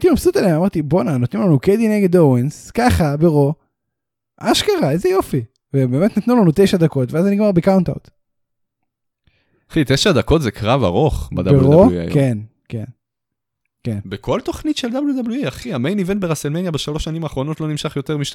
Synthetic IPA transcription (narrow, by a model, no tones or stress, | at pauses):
t̪ilomsut̪elemamaʁt̪ibonanot̪nimlanuked̪ineɡed̪owenskaχabeʁo̞ | ʔaʃkaʁaezejo̞fi | vebe̞ːmet̪nat̪nulanut̪ejʃad̪ako̞t̪veazaniɡmaʁbekawnt̪a̰wt̪ | χit̪eʃad̪ako̞t̪zekʁava̰ʁo̞χbad̪abeʁudoṵken | ke̞n | kenbekʰo̞lt̪o̞χnit̪ʃeld̪abljud̪ablujiaχiamejnivenbeʁaselmenjabeʃalo̞ʃanimaːχʁo̞no̞t̪lo̞nimʃaχjo̞t̪e̞ʁmiʃ